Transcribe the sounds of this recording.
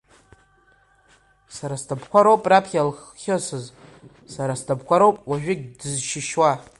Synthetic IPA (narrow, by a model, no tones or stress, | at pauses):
saɾastʰapʰkʷaɾowpʼrapʰχʲalχːʲosɨz | saɾastʰapkʷʰaɾowpʼwaʒᶣɪɡʲdɨzʃɪʃwa